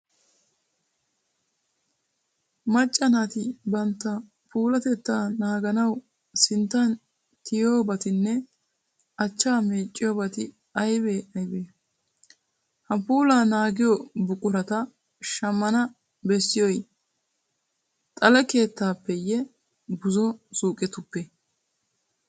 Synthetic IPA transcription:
mɐt͡ʃʼːɐnat̪ɪbɐnt̪ːɐ | puːlɐt̪ɛt̪ːaːnaːɡɐnɐw | sɪnt̪ːɐn | t̪ɪjo̞ːbɐt̪ɪnːɛ | ɐt͡ʃːaːmeːt͡ʃʼːɪjoːbɐt̪ɪ | ɐjbeːɐjbeː | hɐpuːlaːnaːɡɪjobʊkʼʊɾɐt̪ɐ | ʃɐmːɐnɐ | bɛsːɪjoj | t̪ʼɐlɐke̞ːt̪ːaːpːɛjɛ | bʊzɔsuːkʼɛt̪ʊpːɛ

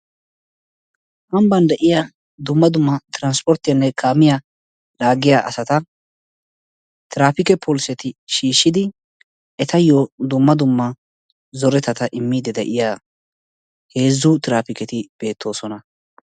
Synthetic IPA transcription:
ʔɐmbɐnd̪ɛʔɪja | d̪ʊmːɐd̪ʊmːɐt̪ɪɾɐnspɔɾt̪ːɪjɐnːɛkʰaːmɪjɐ | laːɡɪjaʔɐsɐt̪ɐ | t̪ɪɾaːpɪkɛpʰoːlsɛt̪ɪʃiːʃːɪd̪ɪ | ɛt̪ɐjod̪ʊmːɐd̪ʊmːɐ | zɔɾɛt̪ɐt̪ɐʔɪmːiːd̪ɛd̪ɛʔɪjaː | he̞ːzːʊt̪ɪɾaːfɪkɛt̪ɪb̥e̞ːt̪ʰːo̞ːsɔnɐ

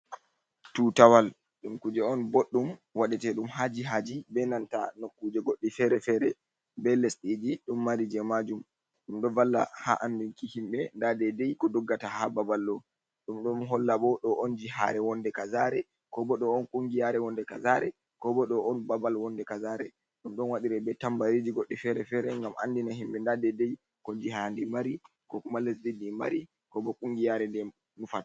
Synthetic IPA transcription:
tutawal | ɗumkud͡ʒɛɔnboɗːumwaɗɛtɛɗumɦad͡ʒiɦad͡ʒibɛnanta̰nokːud͡ʒɛɡoɗːifɛɾɛfɛɾɛ | bɛlɛsɗid͡ʒiɗumːaɾid͡ʒɛmad͡ʒum | ɗumɗɔvalːa̰ha̰ʔandunkihimɓɛndadɛdɛjkɔdɔɡːatahababalːɔ | ɗumɗɔmɦɔlːaɓɔɗɔʔɔnd͡ʒiha̰ɾɛwɔndɛkazaɾɛ | kɔbɔɗɔɔnkʼuŋɡijaɾɛwɔndɛkazaɾɛ | kɔbɔɗɔɔnbabalwɔndɛkazaːɾɛ | ɗumɗɔnwaɗiɾɛbɛtambaɾid͡ʒiɡɔɗːifɛɾɛfɛɾɛŋɡamʔa̰ndinahimɓɛndadɛdɛj | kɔnd͡ʒihandimaɾi | kɔkumalːɛsdidːima̰ɾi | kɔbɔkʼuŋɡijaɾɛndɛ | nufat

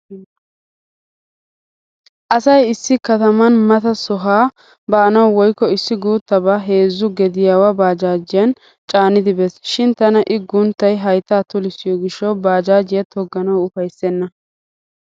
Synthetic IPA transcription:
ʔɐsɐjɪsːɪkɐt̪ɐmɐnmɐt̪ɐsɔɦaː | bɐːnɐwwɔjkːɔɪsːɪɡuːt̪ːɐbaɦeːzːʊɡɛd̪ɪjaːwɐbaːd͡ʒaːd͡ʒɪjɐn | t͡ʃʼaːnːɪd̪ɪbɛsʃɪnt̪ɐnɐʔɪɡʊnt̪ːɐjɦɐjt̪ːaːt̪ʊlɪsɪjɔɡɪʃːɔwbaːd͡ʒaːd͡ʒɪjɐt̪ʰɔɡːɐnɐwʊfɐjsːɛnːɐ

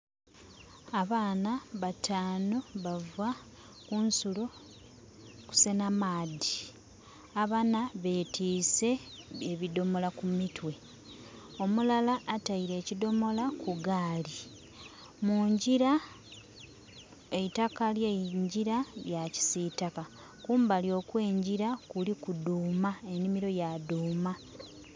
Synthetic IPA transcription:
aβaːnaβatʰaːno̞βavwa | kunsulo̞ | ku̥se̞namaːdi | aβanaβe̞ːtʰiːse̞eβido̞mo̞lakumitwe̞ | o̞mulalaːtaiɾe̞ːcido̞mo̞lakuɡaːli | muːɲɟiɾa | eitakaljeɲɟiɾajaci̥sitaka | kuːmbaljo̞ːkwe̞ːɲɟiɾakulikuduːmae̞nimiɾo̞jaduːma

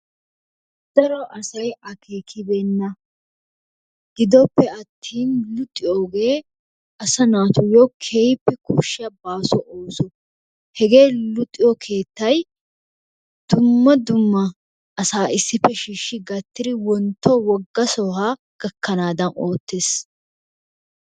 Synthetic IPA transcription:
d̪̥ɐɾɔʔɐsɐjɐkʰeːkʰɪbɛnːɐ | ɡ̥ɪd̪ɔpːɛɐt̪ʰːiːnlʊt̪ʼːɪjoːɡeː | ʔɐsɐnaːt̪ʊjɔkʰejpːɛkʊʃːɪjɐbaːsɔʔoːsɔ | hɛɡe̞ːlʊt̪ʼːɪjɔkʰe̞ːt̪ːɐj | d̪̥ʊmːɐd̪ʊmːɐ | ʔːsaːɪsːɪpːɛʃiːʃːɪɡɐt̪ːɪd̪ɪwɔnt̪ʰːɔwɔɡːɐsɔhaː | ɡ̥ɐkːɐnaːd̪ɐnoːt̪ːeːs

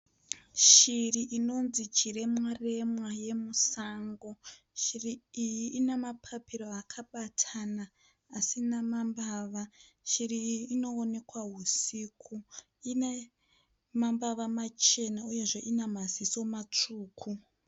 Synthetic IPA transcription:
ʃiriʔino̞nzit͡ʃire̞mware̞mwaje̞musaːŋɡo̞ | ʃiriijiʔːnemapʰapiɾo̞akʰaɓatʰanaː | sinamambaʋa | ʃiriːno̞ːne̞kwaɦusiːkʰu | ine | mambaʋamat͡ʃe̞nauje̞ʐe̞ʔinamaziso̞mat͡ʂuːkʰu

